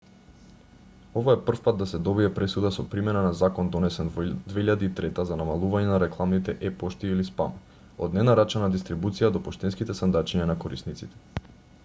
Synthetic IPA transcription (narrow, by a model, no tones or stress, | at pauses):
ovaɛpr̩fpat̪̚d̪asɛd̪ɔbiɛpɾɛsud̪asɔpɾimɛnanazakɔnd̪ɔnɛsɛnvd̪vɛiʎad̪iːt̪ɾɛt̪azanamalˠuvaɲɛnaɾɛklˠamnit̪ɛʔɛpɔʃt̪iilispa̰m | o̰d̪nɛnaɾat͡ʃanad̪ist̪ɾibut̪sijad̪ɔpɔʃt̪ɛnskit̪ɛsand̪at͡ʃiɲanakɔɾḭsnit̪sit̪ɛ̥